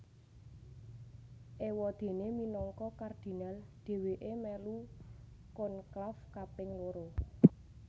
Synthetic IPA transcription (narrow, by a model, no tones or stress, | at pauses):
ʔewɔd̪̥e̤neminɔŋkɔkard̪̥i̤nald̪̥e̤weʔemɛlu | kʊnklafkapɪŋloɾo